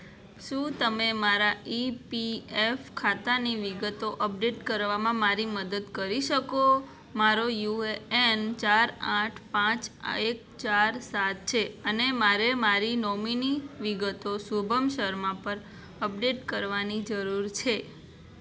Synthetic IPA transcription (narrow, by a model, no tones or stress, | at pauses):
ʃũt̪əmemaɾaipiefkʰat̪aniʋiɡət̪oʔəp̚ɖeʈkəɾʋamãmaɾiməd̪əd̪kəɾiʃəko | maɾojueent͡ʃaɾãʈʰpãt͡ʃek̚ | t͡ʃaɾsat̪̚t͡ʃʰeənemaɾemaɾinɔminiʋiɡət̪osubʱəmʃəɾmãpəɾ | əp̚ɖeʈkəɾʋanid͡ʒəɾuɾt͡ʃʰe